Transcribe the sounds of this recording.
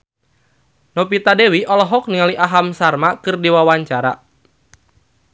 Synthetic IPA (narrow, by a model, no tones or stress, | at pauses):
nɔpit̪adewiʔɔlɔɦɔk̚niŋaliʔaɦamsarmakɨrdiwawaɲt͡ʃaɾa̰